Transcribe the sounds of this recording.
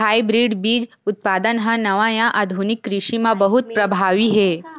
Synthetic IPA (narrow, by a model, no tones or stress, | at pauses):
ɦaːibɾiɖbiːd͡ʒ | ʊt̪̚paːd̪ənɦə̃nɐʋãjãʔad̪ʱunikːɾɪʃimãbɐɦut̪̚pɾɐbʱaːʋiɦe